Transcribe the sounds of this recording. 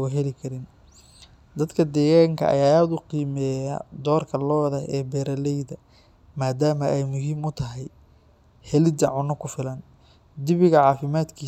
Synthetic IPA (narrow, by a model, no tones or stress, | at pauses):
wɐɦɛlɪkʰɐɾɪn | d̪ɐd̪kʰɐd̪ɛːɣaːŋkʰɐ̰ʔɐ̰jaːaːd̪ʊqiːmɛːja̰d̪ɔːrkʰɐlɔːðɐɛːbɛːɾɐlɛjðɐ | maːd̪aːmɐʔɛjmʊɦiːmʊt̪ʰɐɦɛj | hɛlɪd̪ɐʕʊnɔkʰʊfɪlɐn | d̪ɪβɪɣɐʕɑːfɪmaːd̪kʰiː